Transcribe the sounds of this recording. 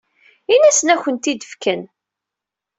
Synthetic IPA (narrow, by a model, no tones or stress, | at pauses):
inæsənæçʷənt̪id̪əfkən